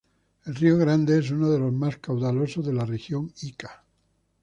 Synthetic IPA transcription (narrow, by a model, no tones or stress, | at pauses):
elrioɣɾand̪ees̬unoð̞e̞lo̞zmaskawðalosozðe̞larexjoŋikḁ